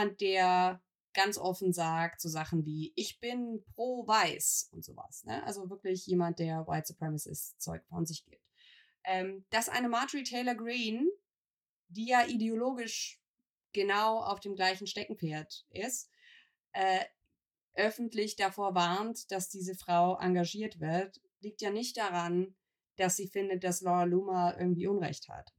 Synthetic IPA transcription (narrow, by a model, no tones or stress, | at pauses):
ant̚d̥eːɐ | ɡ̥ant͡sʔɔfn̩zaːktz̥oːzaχn̩viːʔɪçb̥ɪnpʁ̥oːvaɪsʊntz̥o̰ːva̰snə̰ʔa̰lzovɪɐklɪçjeːmant̚d̥eːɐwa̰ɪtsəpʁ̥ɛmɪsɪ̰st͡sɔ̰ʏkfɔ̰nzɪçɡ̥ɪ̰ːp̚t | ʔɛːmd̥asʔa̰ɪnəmaːtəʁitʰɛɪlɐɡʁiːn | d̥iːjaːʔideoloːɡɪʃ | ɡ̥ənaʊa̰ʊfd̥eːmɡlaɪçn̩ʃtɛkŋ̩feːɐtʔɪst | ʔɛː | ʔœfn̩tlɪçd̥afoːɐvaɐntd̥asd̥iːzəfʁ̥aʊʔa̰ŋɡaʒiːɐtv̥ɪɐt | liːk̚tjaːnɪçt̚d̥aʁan | d̥asz̥iːfɪndət̚d̥aslɔʁaluːmaʔɪ̰ɐɡŋ̩tv̥iːʔʊnʁɛ̰çtha̰t